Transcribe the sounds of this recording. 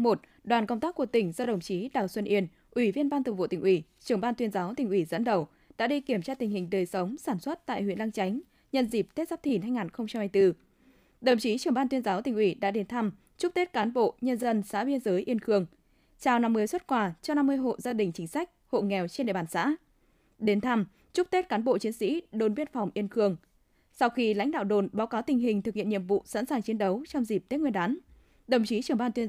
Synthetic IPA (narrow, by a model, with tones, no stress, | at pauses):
mo˨˩t̚ɗwaː˨˩nkə˧wŋ͡mt̪aː˦˥kːu˧˩ət̪ï˨˩ŋ̟zɔ˧ɗə˨˩wŋ͡mt͡ɕi˨˦ɗaː˨˩wswə˧nʔi˧ən | ʔwi˧˩vi˧ənɓaː˧t̪ə˨˩vo̰˧˨t̪i̟˨˩ʔwi˧˩t͡ɕɨ˨˩əŋɓaː˧nt̪wi˧ənzaː˨˦wt̪ï˨˩ŋʔwi˧˩zə̰˧˥nɗə˨˩w | ɗa̰ː˧˥ɗi˧ki˧˩əmt͡ɕaː˧t̪i˨˩ŋhï˨˩ŋ̟ɗəː˨˩jsə˨˦wŋ͡msaː˧˩nswə˦˥t̚t̪a̰ː˧˨jhḭ˧˨ənla˧ŋt͡ɕa˨˦jŋ̟ | ɲə̰˧nzi˨˩p̚t̪e˦˥t̚zaː˦˥p̚t̪ʰi˧˩nha˧jŋaː˨˩nxə˧wŋ͡mt͡ɕa˧mhaː˧jt̪ɨ˧ | ɗə˨˩wŋ͡mt͡ɕi˨˦t͡ɕɨ˨˩əŋɓaː˧nt̪wi˧ənzaː˨˦wt̪ï˨˩ŋ̟ʔwi˧˩ɗa̰ː˧˥ɗe˨˦nt̪ʰa˧m | t͡ɕʊ˦˥k̚t̪e˦˥t̚kaː˨˦nɓo̰˧˨ɲə˧nzə˧nsa̰ː˧˥ɓi˧ənzəː˨˦jʔi˧ənxɨ˧˩əŋ | t͡ɕaː˧˩wna˧mːɨ˧əjswə˦˥t̚kwaː˧˩t͡ɕɔ˧na˧mːɨ˧əjɦo̰˧˨zaː˧ɗï˨˩ŋ̟t͡ɕï˨˦ŋ̟sa˦˥jk̟̚ho̰˧˨ŋɛ˨˩wt͡ɕnɗḛ˧˨ɓaː˧˩nsa̰ː˧˥ | ɗe˨˦nt̪ʰa˧m | t͡ɕʊ˦˥k͡p̚t̪e˦˥t̚kaː˨˦nɓo̰˧˨t͡ɕi˨˦ənsḭ˧˥ɗo˨˩nvi˧ənfa˨˩wŋ͡mʔi˧ənxɨ˧˩əŋ | sa˧wxi˧la̰˧˥jŋ̟ɗa̰ː˧˨wɗo˨˩nɓaː˨˦wkaː˨˦wt̪ï˨˩ŋ̟ɦï˨˩ŋ̟t̪ɨ˨˩k̚hḭ˧˨ənɲḭ˧˨əmvṵ˧˨sa̰˧˥nsaː˨˩ŋt͡ɕi˨˦ənɗə˨˦wt͡ɕɔ˧wŋ͡mzi˨˩p̚t̪e˦˥t̚ŋwənɗaː˨˦n | ɗ̪ə˨˩wŋ͡mt͡ɕi˨˦t͡ɕɨ˨˩əŋɓaː˧nt̪wi˧